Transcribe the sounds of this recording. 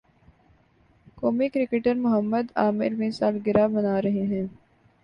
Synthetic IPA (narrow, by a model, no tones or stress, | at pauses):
koːmikɾɪkeʈəɾmʊɦəmːəd̪aːmɪ̰ɾmiːsaːlɡɪɾaːbɐnaːɾɐɦeɦɛ̃ː